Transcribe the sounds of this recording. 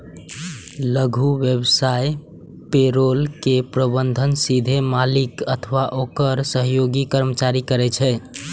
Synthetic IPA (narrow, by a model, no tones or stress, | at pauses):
ləɡʱuʋjebsaj | peɾolkepɾəbənd̪ʱənsid̪ʱemalikət̪ʰəʋaʔokəɾsəɦjoɡikəɾmət͡ʃaɾikəɾɛt͡ʃʰɛ